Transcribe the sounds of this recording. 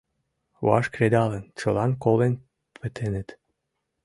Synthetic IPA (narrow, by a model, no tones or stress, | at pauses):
wɑ̰ʃkɾed̪ɑlənt͡ɕɤlɑnkolen | pə̆t̪ʰenə̆t̪